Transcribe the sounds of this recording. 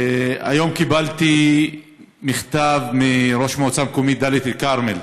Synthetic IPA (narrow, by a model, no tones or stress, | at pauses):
a̰jo̞mkibalt̪i | miχt̪avmiɾo̞ʃmoot͡samkomid̪alit̪ilkaʁmel